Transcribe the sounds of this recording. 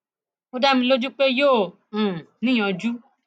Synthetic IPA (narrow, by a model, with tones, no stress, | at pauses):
o˦da˦mĩ˧lo˦d͡ʒu˦k͡pe˦jõː˦˨ | nĩ˦j̃ɔ̃˨d͡ʒu˦